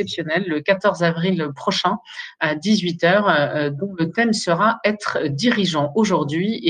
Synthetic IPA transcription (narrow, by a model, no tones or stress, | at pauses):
ɛpsjɔnɛlːəkat̪ɔʁzavʁilpχɔʃɛ̃ad̪izɥit̪œːʁd̪ɔ̃lət̪ɛmsəʁaɛt̪χd̪iʁiʒɑ̃oʒuʁd̪ɥie